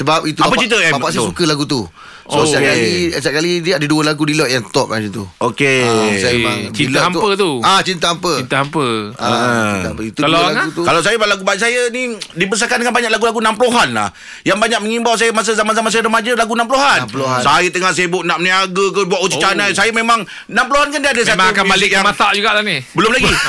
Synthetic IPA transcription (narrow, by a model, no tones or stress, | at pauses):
səbap̚it̪uapət͡ʃit̪̬əɛbapaʔsajssukəlaɡut̪̬u | sosaʔkalisaʔkalidiaʔdəduəlaɡudilɔʔjaŋt̪ɔʔ̚ad͡ʒət̪ṵokesajəmaŋt͡ʃiilɔampət̪uat͡ʃint̪əampəit̪əampəait̪ampəit̪ullaɡut̪ukalaws̬ajəbalaɡubaisajənidipəs̬akandəŋanbaɲak̚laɡulaɡunampəluɦanla̰h | jaŋbaɲak̚məŋimbawsajəmas̬əzamanzamas̬ajəɾəmad͡ʒəlaɡunampəluɦanmluɦasajət̪əŋahs̬ajəbʊʔ̚naʔməniaɡəkəbuaʔut͡ʃit͡ʃanajsajəmẽmaŋ | namp̬əluɦankandiadəsataakanbalɪkjamat̪aʔd͡ʒuɡaʔt̪anibəlʊmlaɡi